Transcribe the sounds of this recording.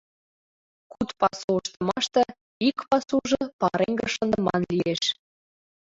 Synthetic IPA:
kut̪pɑsuəʃt̪ə̆mɑʃt̪ɤ̆ | ikpɑsuʒɤpɑɾeŋɡə̆ʃə̆nd̪ə̆mɑnlieʃ

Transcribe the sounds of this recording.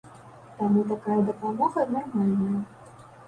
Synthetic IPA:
t̪amut̪̬akajɐd̪ɐpamɔɣɐːd̪namalʲnɐjɐ

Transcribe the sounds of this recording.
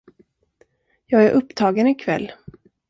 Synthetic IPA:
jɑːɡæɾʔɵpːt̪ʰɑːɡənɪkʰvɛ̰lː

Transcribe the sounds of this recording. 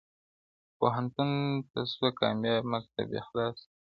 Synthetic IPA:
poɦant̪unt̪aswakɑ̰mjɑmazt̪a̰bḛxlɑs

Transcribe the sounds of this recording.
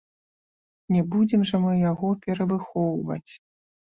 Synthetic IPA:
nʲɛbud͡zʲɛmʐɐmɨjaɣɔpʲɛɾɐvɨxɔwvɐ̰t͡sʲ

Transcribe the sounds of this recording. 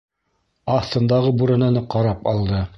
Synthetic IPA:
ɑt̪ɤ̆nd̪ɑʁɤbuɾɘ̆nænɤqɑɾɑpɑlˠd̪ɤ

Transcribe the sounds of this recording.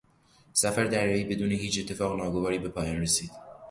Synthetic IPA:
sæfæɾd̪æɾjɒiːbe̞d̪uːneɦiːt͡ʃe̞t̪ʰːe̞fɒːɣnɒːɡo̞vɒːɾiːbe̞pʰɒːjɒːnresiːd̪̥

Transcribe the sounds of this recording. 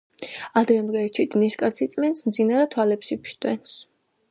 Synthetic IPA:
ad̪ɾɛmd̪ɡɛɾt͡ʃʰid̪niskʼaɾt̪sʰit̪sʼmɛnsmd̪zinaɾɛt̪ʰwalɛpsipʃt̪ʼwɛns

